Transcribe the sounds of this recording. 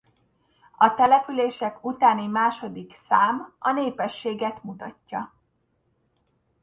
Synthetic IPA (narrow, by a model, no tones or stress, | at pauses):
ɒt̪ɛlɛpyleːʃɛkut̪aːnimaːʃo̞d̪iksaːmɒneːpɛʃːeːɡɛt̪mut̪ɒcːɒ